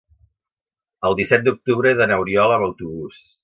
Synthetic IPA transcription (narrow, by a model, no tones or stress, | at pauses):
əlˠd̪isɛt̪̚d̪uk̚t̪uβɾəðənəwɾiɔləməwt̪uβus